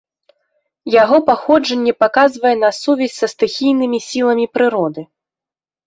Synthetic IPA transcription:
jaɣɔpaxɔd͡ʐɐnʲːɛpakazvɐjɛn̪ɐsuvʲɛsʲsɐst̪ɨxʲijnɨmʲisʲilˠɐmʲipɾɨɾɔd̪ɨ

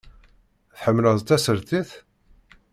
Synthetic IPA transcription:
θħəmːləðˤt͡s̪ːæsəɾθiθ

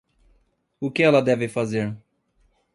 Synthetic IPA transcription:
ʊkɪɛlɐd̪ɛvɪfazeɾ

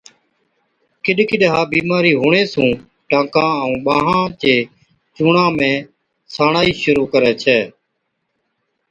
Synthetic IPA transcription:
kɪɗkɪɗɦaːbiːmaːɾiːɦuːɳeːsũː | ʈãːkãːəũːɓaːɦãːt͡ʃeː | t͡ʃuːɳãːmẽː | saːɳaːiːʃʊɾuːkəɾɛːt͡ʃʰɛː

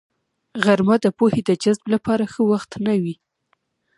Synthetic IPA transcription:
ɣaɾmad̪əpohed̪əd͡ʒazblapɑɾaxəwaxt̪nawi

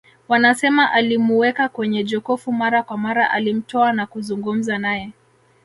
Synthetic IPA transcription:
wanasɛmaʔalimuwɛkakwɛɲɛd͡ʒɔkɔfumaɾakwamaɾaʔalim̩tɔanakuzuŋɡum̩zanajɛ

